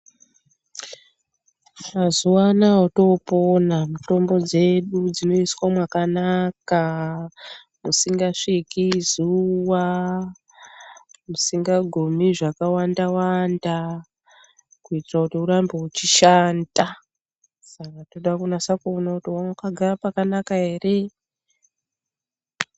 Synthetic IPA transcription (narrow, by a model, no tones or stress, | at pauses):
mazuwanaɦoto̞po̞namuto̞mbo̞d͡ze̞ɗud͡zino̞iswamwakanaka | musiŋɡaʂikizuwa | musiŋɡaɡʱumiʐakawandawanda | kuitirakutiuɾambe̞ut͡ʃiʃanda | sakato̞ɗakunasakuonakutiwankaɡʱarapakanakaɦe̞ːre̞